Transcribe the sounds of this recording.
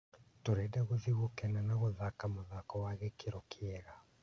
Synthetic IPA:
toɾɛdɛɣoðiɣokɛnanaɣoðakamoðakɔwaɣekeɾɔkʰeɛɾa

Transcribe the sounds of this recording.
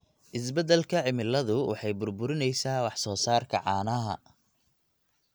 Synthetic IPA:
ʔɪsbɐd̪ɛlkʰɐʕɪmɪlːɐðʊwʔɑ̰ħɑjbʊrbʊɾɪnɛjsaːwɑħsɔːsaːrkʰɐʕɑːnɐɦɐ̰

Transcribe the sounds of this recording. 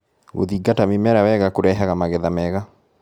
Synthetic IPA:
ɣo̰ðiɡatamemɛɾawɛɣakoɾɛɦaɣamaɣɛðamɛɣa

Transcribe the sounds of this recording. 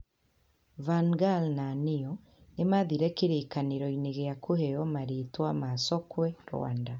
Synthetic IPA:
vaŋɡalnanijɔ | nemaðiɾɛkeɾekaneɾɔineɣeakʰohejɔmaɾetwamasɔkwɛɾw̰a̰ːnda

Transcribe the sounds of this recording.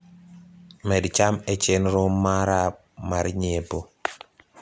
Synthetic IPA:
mɛdt͡ʃamɛt͡ʃenɾomːaɾa | maɾɲebo

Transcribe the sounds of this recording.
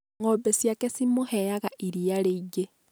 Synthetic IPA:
ŋobesjakesimuhejaɣaʔiɾijaleiɟe

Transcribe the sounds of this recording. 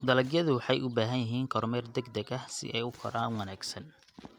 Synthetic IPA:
d̪ɐlɐɡjɐðʊwɑħɑjʔʊbaːɦɐnjɪɦiːŋkʰɔɾmɛrd̪ɛɡd̪ɐɡɐhsɪ̰ʔɛjʊkʰɔɾaːnwɑnaːɡsɐn

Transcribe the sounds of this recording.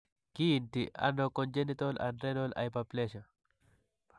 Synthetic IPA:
kintiʔa̰nɔkɔnd͡ʒenit̪ɔla̰nɾɛnɔla̰jpaplɛʃa

